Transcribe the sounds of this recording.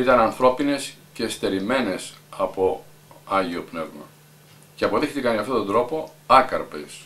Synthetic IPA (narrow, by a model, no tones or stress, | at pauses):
it̪ɐnɐnθɾo̞pine̞sceːst̪e̞ɾime̞ne̞sɐpo̞ | ɐʝio̞pne̞vmɐ̰ | ceɐpo̞ðext̪ikɐnɐft̪o̞t̪ond̪ɾo̞po̞ɐkɐɾpḛs